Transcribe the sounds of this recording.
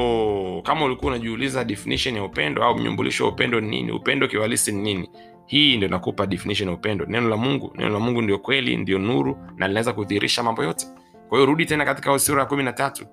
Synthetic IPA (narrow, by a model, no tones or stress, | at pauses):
kamaulikuaunaʄuulizaɗɛfiniʃɔnjaupɛndɔaum̩ɲṵmbṵlḭʃɔwa̰upɛndɔninḭnḭṵpɛndɔkiwalisininini | hiːndiɔinakupaɗɛfiniʃ̬ɔnjaupɛndɔnɛnɔlamuŋɡṵnɛ̰nɔ̰lamuŋɡundijɔkwɛlḭndiɔnuɾunʔalinawɛzakuθiːɾʔḭʃamambɔjɔtɛ̥ | kwahijɔɾuɗitɛnakati̥kahusiɾɔjakuminatatu